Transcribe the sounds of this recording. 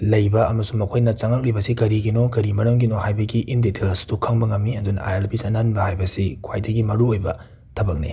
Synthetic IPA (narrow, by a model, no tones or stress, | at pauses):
lɐjbɐɐmɐsuŋmɐkʰojnɐt͡ʃaŋak̚libɐsikɐɾiɡinokɐɾimɐɾɐmɡinohajbɐɡiʔindetʰelɐsi̥dukʰɐŋbɐŋɐmːiɐdunɐ̰ʔajelpʰisɐnanbɐhajbɐsikʰwajdɐɡimɐɾuojbɐ̰ | tʰɐbɐk̚nḭ